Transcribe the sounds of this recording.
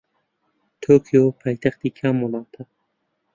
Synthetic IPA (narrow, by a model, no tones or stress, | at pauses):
t̪ʰoːkʰijoːpʰɑːjt̪ʰɐxt̪iːkʰaːmɔlˠɑːt̪ʰɐ